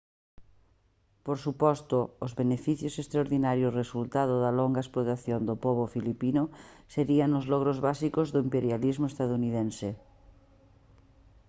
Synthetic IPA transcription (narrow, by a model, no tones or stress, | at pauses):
poɾsupɔst̪oozβenefiθjosest̪ɾaoɾðinaɾjoresult̪að̞oðaloŋɡaesplot̪aθjond̪opoβ̞ofilipinoseɾianozlɔɣɾozβasikozðoimpeɾjalizmoest̪aðuniðẽnse